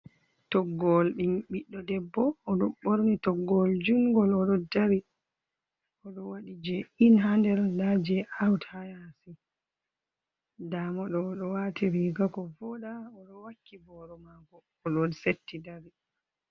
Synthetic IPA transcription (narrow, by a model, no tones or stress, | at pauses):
tɔɡːɔlɗimɓiɗːɔdɛbːɔːɗɔɓoɾnitɔɡːɔld͡ʒuŋɡɔlɔɗɔdaɾi | ʔɔɗɔwaɗid͡ʒɛinɦandɛɾdad͡ʒɛʔawthajasi | damɔɗɔɗɔwatiɾiɡakɔvɔɗaɔɗɔwakːibɔɾɔmaɡɔːɗɔnsetːidaɾi